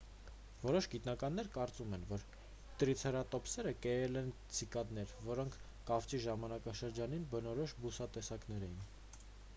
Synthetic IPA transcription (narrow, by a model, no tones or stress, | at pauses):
vɔɾɔʃɡit̪nɑkɑnːɛɾkɑɾt͡sumɛnvɔɾ | t̪ɾit͡sʰɛɾɑt̪ɔpsɛɾəkɛjɛlɛnt͡sʰikɑd̪nɛɾvɔɾɔŋkʰ | kɑft͡ʃiʒɑmɑnɑkɑʃəɾd͡ʒɑninbənɔɾɔʃbusɑt̪ɛsɑkn̪ɛɾɛjin